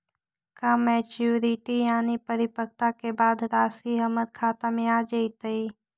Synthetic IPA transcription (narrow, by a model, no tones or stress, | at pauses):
kamɛːt͡ʃuːɾɪʈijaːnipəɾɪpək̚t̪akebaːd̪ɾaːsiɦəməd̪̚kʰaːt̪amẽaːd͡ʒəit̪əi